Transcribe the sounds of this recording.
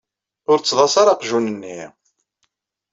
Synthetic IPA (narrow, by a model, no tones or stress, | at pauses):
ʊɾt͡sːðˤɑsaɾɑqʒunənːi